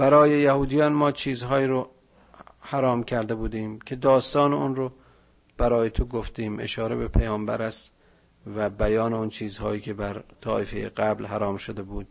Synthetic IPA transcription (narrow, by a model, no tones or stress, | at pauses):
b̥æɾɒːjejæhuːd̪ijɒːnmɒːt͡ʃʰiːzɦɒːiːɾo | hæɾɒːmkʲʰæɾd̪ebuːd̪iːmkʲʰe̞d̪ɒːst̪ɒːneunɾo | b̥æɾɒːjet̪ʰoɡoft̪iːmʔḛʃɒːɾebepʰæjɒːmbæ̰ɾæst̪ | væbæjɒːneont͡ʃʰiːzhɒːjiːkʰe̞bæɾt̪ʰɒːʔefejḛɡæblɦæɾɒːmʃod̪ebuːd̪̥